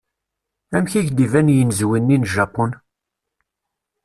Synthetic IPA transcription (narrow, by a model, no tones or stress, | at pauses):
æmçiʝd̪ivænjənzwinːinʒɑpːɔn